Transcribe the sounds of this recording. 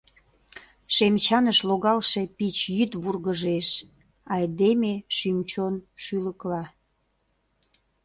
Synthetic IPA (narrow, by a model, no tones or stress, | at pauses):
ʃemt͡ɕɑnəʃloɣɑlʃepit͡ɕjyt̪βurɣəʒeʃ | ɑjd̪emeʃymt͡ɕonʃyləklɑ